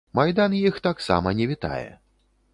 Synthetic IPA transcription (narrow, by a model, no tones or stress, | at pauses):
majd̪anjixt̪aksa̰mɐnʲɛvʲit̪a̰jɛ̰